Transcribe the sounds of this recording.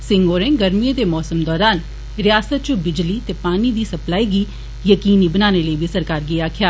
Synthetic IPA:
sɪ̃ŋɡoːɾẽːɡəɾmied̪eːmɔːsəmd̪ɔːɾaːn | ɾɪjaːsət̪̚t͡ʃʊbɪd͡ʒliːt̪eːpaːniːd̪iːsəplaːiːɡiː | jəkiːniːbənaːneːləibiːsəɾkaːɾɡiaːkʰjaː

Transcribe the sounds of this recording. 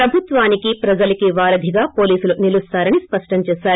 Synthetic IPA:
pɾɐbʱut̪ʋaːnikipɾɐd͡ʒɐlɐkiʋaːɾɐd̪ʱiɡaːpo̞ːliːsulunilust̪aːɾɐnispɐʂʈɐɲt͡ʃɛːʃaːɾu

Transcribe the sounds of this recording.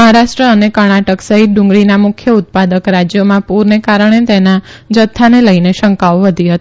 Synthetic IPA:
əɦaɾaʃʈɾəənekəɾɽ̃aʈəksəɦit̪̚ɖʊ̃ŋɡɽinamʊkʰjəʊt̪̚pad̪əkɾad͡ʒjomãpuɾnekaɾəɽ̃et̪enad͡ʒət̪ʰːaneləineʃəŋkaʋʋəd̪ʱiɦət̪

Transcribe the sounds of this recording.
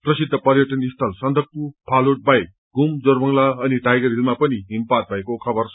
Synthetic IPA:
prʌsid̪ʱːəpʌɾjʌʈʌnist̪ʰʌlsʌnd̪ʱʌk̚t̪upʰaloʈ̚baj | ɡumd͡zoɾbʱʌŋlaːniʈajɡʌɾilmapʌniɦimpat̪̚bajkokʰʌbʌɾ

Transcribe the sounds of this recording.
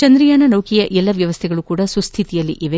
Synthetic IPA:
t͡ʃɐnd̪ɾijaːnɐnɐwkijɐʔɛlːɐʋjɐʋɐst̪ʰɛɡɐɭukuːɽɐsust̪ʰit̪ijɐlːiʔiʋe

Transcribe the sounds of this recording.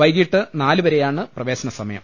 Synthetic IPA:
ʋɐjɡiʈːɨnaːlɨʋɐɾejaːɳɨprɐʋe̞ːsɐnɐsɐmɐjɐ̰m

